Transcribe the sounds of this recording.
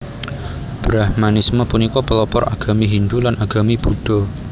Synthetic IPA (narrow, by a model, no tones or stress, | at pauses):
b̥ɾahmanisməpunikɔpəlɔpɔrʔa̰ɡ̥a̤miɦind̪ulanaɡ̥a̤mib̥uɖ̥ɔ̤